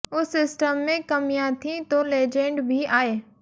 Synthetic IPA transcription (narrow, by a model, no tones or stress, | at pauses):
ʊsːɪsʈəmːẽkɐmijãt̪ʰĩt̪oleːd͡ʒẽɳɖbʱiaːeː